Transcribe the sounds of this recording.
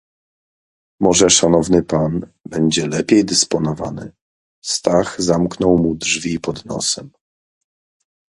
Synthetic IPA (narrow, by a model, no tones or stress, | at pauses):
mɔʐɛʂanɔvnɘpan | bɛɲd͡ʑɛlɛpʲjejd̪ɘspɔnɔva̰nɘ̰ | st̪aɣzamknɔwmudʐvʲipɔd̪nɔ̰sɛm